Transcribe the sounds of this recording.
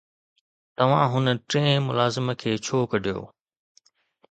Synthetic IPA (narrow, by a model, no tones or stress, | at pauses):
t̪ɐʋ̤ãɦʊnəʈɾẽːmʊlaːzɪmə̆kʰeːt͡ɕʰoːkɐɖʱijo̰ː